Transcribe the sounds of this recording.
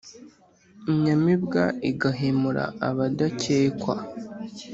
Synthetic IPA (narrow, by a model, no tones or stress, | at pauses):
iɲamibɡaiɡaɦemuɾa̰aβadaceːkwa